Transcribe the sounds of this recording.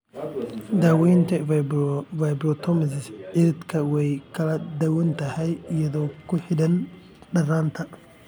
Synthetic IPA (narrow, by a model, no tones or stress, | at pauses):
d̪awint̪ɐvvajbɾot̪ʰomɐzɪsɪɾɪt̪kʰɐwɔjkɐlɐd̪ɐwʊnt̪ɐhɐjjɛd̪okːʊħɪd̪ɐn | ɗɐrant̪ʰɐ